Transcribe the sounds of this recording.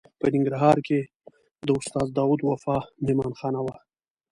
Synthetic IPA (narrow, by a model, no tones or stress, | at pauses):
pənɪŋɡɾaɦɑɾke | d̪əʊst̪ɑːzd̪ɑwud̪wafɑmemɑnxɑnawa